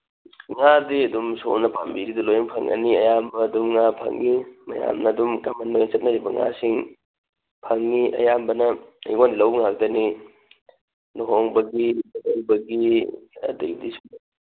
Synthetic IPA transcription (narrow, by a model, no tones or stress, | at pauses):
ŋadiɐdumso̰nɐpambiɾidɐlojɐŋpʰɐŋɐ̰niɐjambɐːdumŋapʰɐ̰ŋːimɐja̰mnɐːdumkamɐnːojŋt͡ʃɐt̚nɐɾibɐŋa̰siŋ | pʰɐŋːiɐ̰jambɐnɐɐ̰jwandilɐwbɐŋak̚dɐni | nuɦoŋbɐɡinɦoŋbɐɡiɐ̰dḭdiso